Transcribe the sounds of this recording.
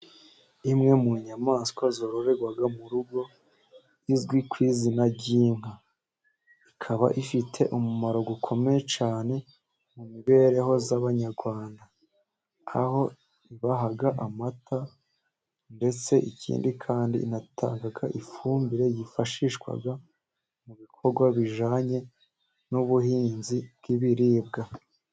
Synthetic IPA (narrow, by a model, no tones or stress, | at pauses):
imŋe̞muɲamaːskwazoɾoɾeɡwaɡamuɾuɡo̞ | jizɡwikwiːzinaɟiːŋ̥ha | ikʰaβa̰ʔifitʰe̞ʔumumaɾo̞ɡukʰo̞me̞jet͡ʃaːne̞ | mumiβe̞ːɾe̞ɦo̞zaβaɲaɾɡwaːnda | a̰ho̞ | iβaɦaɡaʔamatʰa | nde̞t͡se̞ʔicʰḭːndikʰaːndḭḭnatʰa̰ːŋɡaɡaʔifuːmbiɾe̞jifaʃiʃkwa̰ɡa | muβikʰo̞ɾɡwaβiʒaːɲe̞ | nuβuhiːnzib̚ɡiβiɾiːb̚ɡa